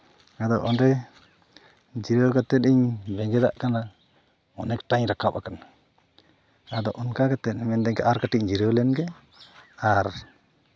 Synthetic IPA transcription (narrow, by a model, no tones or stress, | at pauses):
ad̪ɔʔɔnɾɛ | d͡ʒiɾowkat̪ɛt̪̚ˀiɲbɛŋɡɛd̪a̰ʔkana | ɔnɛk̚ʈaɲɾakap̚akana | ad̪ɔʔɔnkakat̪ɛt̪̚mɛnd̪ɛɲkaʔaɾkaʈic̚d͡ʒiɾwlɛnɡɛ | aɾ